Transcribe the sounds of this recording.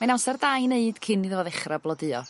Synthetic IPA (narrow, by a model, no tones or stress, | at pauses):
majnawsɛrdajneɨd̥kʰɪniðəvɔðɛχrablˠɔdɨɔ̰